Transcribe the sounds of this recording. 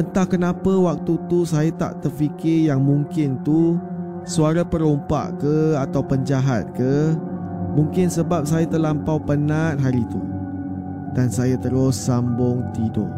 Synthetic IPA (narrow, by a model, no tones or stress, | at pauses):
pənt̪ahkənãpəwak̚t̪ut̪usajat̪a̰ʔt̪ərfikɪjaŋmũŋkɪnt̪u | suaɾapəɾumpa̰ʔkəat̪awpəɲd͡ʒaɦat̪̚kə | mũŋkɪnsəbap̚sajat̪əlampawpənat̪̚ɦaɾit̪u | dansajat̪əɾʊsːambʊŋt̪ido̰ʔ